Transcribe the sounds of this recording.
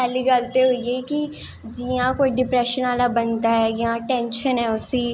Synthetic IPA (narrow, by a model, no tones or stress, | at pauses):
pɛːliɡəlt̪eɦoieːki | d͡ʒiːãːkoːiɖɪpɾɛːʃənaːlabənt̪aːɦɛːjãʈɛ̃ːnʃənɦɛːʊsiː